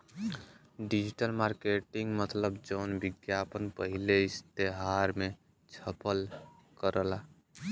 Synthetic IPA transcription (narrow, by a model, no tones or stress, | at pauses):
ɖid͡ʒiʈəlmaɾkeʈiŋɡmət̪ləbd͡ʒəːnbiɡjapənpəɦileist̪eɦaɾme | t͡ʃʰəpəl | kəɾəla